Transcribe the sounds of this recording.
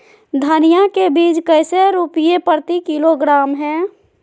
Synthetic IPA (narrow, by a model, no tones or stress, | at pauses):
d̪ʱənijakebiːd͡ʒkəɪseɾupijepəɾt̪ikiloɡɾaːmɦɛː